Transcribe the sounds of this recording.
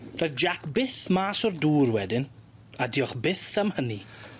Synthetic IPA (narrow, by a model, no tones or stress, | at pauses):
r̥oːɨðd͡ʒakʰbɪθmaːsɔrduːrwɛdɪn | adiːɔχbɪθəmhəni